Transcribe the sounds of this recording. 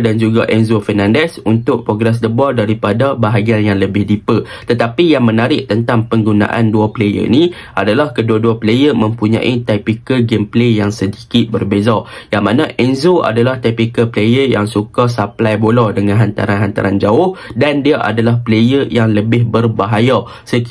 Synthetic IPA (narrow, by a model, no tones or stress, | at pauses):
dand͡ʒuɡaʔɛnzofɛnãndɛsunt̪ʊʔ̚pɾoɡɾɛs̬dəbɔrdaɾipadabaɦaɡianjaŋləbɪhdipə | t̪ət̪apijaŋmə̃naɾɪʔ̚t̪ənt̪aŋpəŋɡuna̰ʔa̰nduaplejə̰nĩ | ʔadalahkəduaduaplejəmə̃mpuɲã̰ʔit̪apikəɡemplejaŋsədikɪt̪̚bərbezajaŋmãnãʔɛnzoa̰dalaht̪ɛpikəplejəja̰ŋsukasaplajboladəŋãnɦant̪a̰ɾanɦant̪a̰ɾand͡ʒaʊhdandiaʔa̰dalahplejəjaŋləbɪɦbərbaɦaja | sə